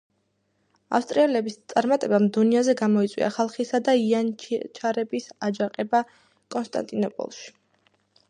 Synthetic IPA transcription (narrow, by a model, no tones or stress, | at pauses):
a̰fst̪ʼɾiɛlɛbist̪sʼaɾmat̪ʼɛbamd̪uniazɛɡamɔit̪sʼwḭa̰χalˠχisad̪aiant͡ʃʰaɾɛbisad͡ʒaqʼɛba | kʼɔnst̪ʼa̰nt̪ʼinɔpʼɔ̰lˠʃi̥